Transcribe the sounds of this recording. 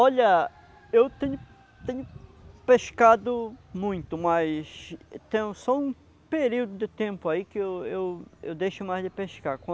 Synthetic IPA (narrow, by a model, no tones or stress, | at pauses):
ɔʎɐ | ewt̪ẽɲʊ | t̪ẽɲʊpeʃkad̪ʊmũj̃t̪ʊmajst̪ẽɲʊsɔũ | peɾiwd̪ʊd̪ɪt̪ẽmpʊaikɪewewḛwd̪ejʃʊmajzd̪ɪpeʃkakɐ̃